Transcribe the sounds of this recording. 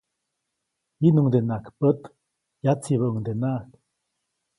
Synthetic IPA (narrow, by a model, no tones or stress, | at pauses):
inuŋd̪enakpət̪ | jat͡siβəʔəŋd̪enaʔk